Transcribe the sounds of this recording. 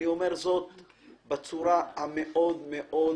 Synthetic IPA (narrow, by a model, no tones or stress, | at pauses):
iomeʁzot̪ | bet͡suɾahameʔo̞d̪meʔo